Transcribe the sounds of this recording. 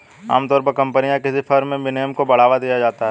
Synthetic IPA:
a̰ːmt̪ɔːɾpɐɾkɐ̃mpənijãkɪsifʰɐɾmẽbɪnejəmkobɐɽ̤aːʋad̪ijad͡ʒaːt̪aɦɛː

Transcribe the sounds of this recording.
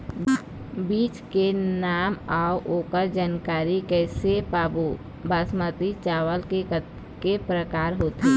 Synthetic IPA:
biːt͡ʃkenaːmaːuʔoːkəɾd͡ʒaːnkaːɾikɛːsepaːbu | basmət̪it͡ʃaːʋəlke | kepɾəkaːɾɦoːt̪i

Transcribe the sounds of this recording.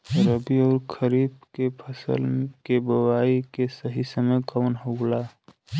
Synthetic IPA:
ɾəbiɔːɾkʰəɾiːb̚kepʰəsə̰lkebəwaːikesəɦisəməkaʊnɦoɡla

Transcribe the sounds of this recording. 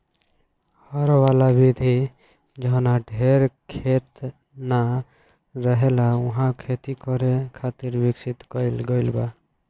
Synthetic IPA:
həɾwalabid̪ʱi | d͡ʒəɦnaɖʱeɾkʰet̪ | na | ɾəɦelauɦãkʰet̪ikɔɾekʰat̪iɾbiksit̪kəlɡəɪlba

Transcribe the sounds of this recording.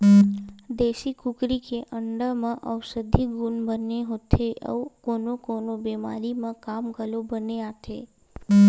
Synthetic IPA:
d̪eʃikukɾikeʔəɳɖəmãʔəʋsəd̪ʱiɡunbəneɦot̪ʰeʔə̰konokonobema̰ɾimãkamɡəlobəneat̪ʰḛ

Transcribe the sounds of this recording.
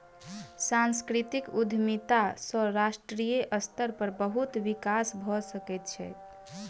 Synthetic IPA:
sãnskɾit̪ikud̪ʱmit̪asəɾasʈɾijeʔəst̪əɾpəɾbəɦut̪ʋikasbʱɔsəkɛt̪̚t͡ʃʰɛ̰

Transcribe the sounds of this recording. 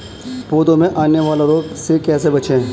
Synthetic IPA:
poːd̪õmẽʔaːneʋaːlaɾoːksekɛːs̬ebɐt͡ʃẽ

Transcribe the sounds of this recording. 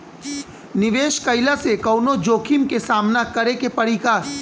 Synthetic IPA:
nɪʋeːʃkɐɪlasekɐːnod͡ʒoːkʰimkesaːmnakɐɾekepɐɾikaːɾ

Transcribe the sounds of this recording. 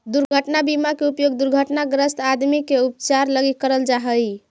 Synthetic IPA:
d̪uɾɡʱəʈnabimakeupjoɡd̪uɾɡʱəʈnaɡɾəst̪ad̪mikeup̚t͡ʃaɾləɡikːəɾəld͡ʒaɦəj

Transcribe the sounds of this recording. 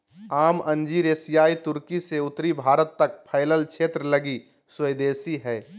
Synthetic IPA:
aːmɐ̃ɲd͡ʒiɾeːsɪjaːit̪ʊɾkiseʊt̪ɾibʱaːɾət̪ːɐk̚pʰaɪləlʃʰeːt̪ɾəlɐɡi | swəd̪eːsiɦɛː

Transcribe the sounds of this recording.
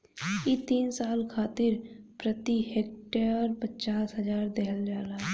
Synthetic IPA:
it̪iːnsaːlkʰaːt̪ɪɾpɾət̪iɦeːk̚ʈəɾpət͡ʃaːsɦəzaːɾd̪eɦəld͡ʒaːɾaːɦ

